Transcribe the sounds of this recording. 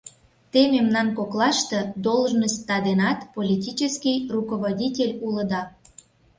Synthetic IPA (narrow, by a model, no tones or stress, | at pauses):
t̪ememnɑnkoklɑʃt̪ɤd̪olˠʒnəst̪ːɑd̪enɑt̪polʲitʲit͡ɕəskʲijrukoβodʲitʲelʲulə̆d̪ɑ